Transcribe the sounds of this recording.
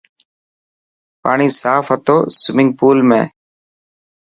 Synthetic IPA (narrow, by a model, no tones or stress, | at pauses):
pa̰ːɳiːsaːfət̪oːsɪmɪ̃ŋɡ̚puːlmḛ̃ː